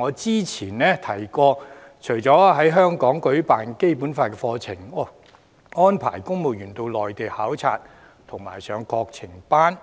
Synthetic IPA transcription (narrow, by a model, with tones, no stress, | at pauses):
ɔː˨˧t͡siː˥t͡sʰiː˨˩nnɛː˥t̪ʰɐ˨˩jkɔː˧ | t͡ʃʰɵ˨˩ɥt͡sɔː˨˥˧ɦɐ˨˥jɦœː˥ŋkɔː˨˥ŋkɵ˨˥ɥpaː˨nke˥jpuː˨˥nfaː˧t̚kɛː˧fɔː˧t͡sʰɪ˨˩ŋɔ˧˩ | ŋɔː˥npʰa̰ː˨˩jkʊ˥ŋmo˨wjyː˨˩nt̪o˧wlɔː˨jt̪e˨jhaː˨˥wt͡sʰa̰ː˧t̚ | t̪ʰʊ˨˩ŋma̰ː˨˩jsœː˨˧ŋkɔː˧k̚t͡sʰɪ˨˩ŋpaː˥n